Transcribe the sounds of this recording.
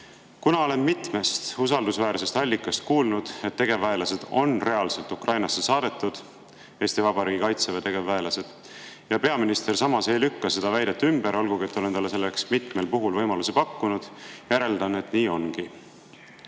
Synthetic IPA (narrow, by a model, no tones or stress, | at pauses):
kunɑo̞le̞nmit̪me̞st̪usɑld̪usvæːɾse̞st̪ɑlʲːikːˑɑst̪̚kuːlnud̪̥e̞t̪ːe̞ɡ̥e̞væelɑse̞d̪̥o̞̰nre̞ɑlse̞lt̪ukrʔɑjnɑsːe̞sɑːd̪̥e̞t̪ːˑud̪̥ | e̞ːst̪ivɑbɑɾiːɡikɑjt̪sevɑt̪e̞ɡ̥e̞vːæelɑse̞d̪̥ | jɑpe̞ɑminist̪e̞rsɑmɑse̞jlykːɑse̞d̪ɑvæjd̪et̪ːˑymbeɾo̞lɡ̥uɡie̞t̪ːˑo̞le̞nt̪ɑlːeselːeksmit̪me̞lpuɦulvɤjmɑluse̞pɑkːunud̪̥jæɾe̞ld̪̥ɑne̞t̪niːo̞nɡ̥i